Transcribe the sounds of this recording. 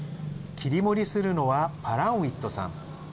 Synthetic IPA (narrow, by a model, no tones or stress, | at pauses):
kʲiɾʲimo̞ɾʲisɨɾɯ̟no̞βapaɾãɰ̃it̪ːo̞sã̰ŋ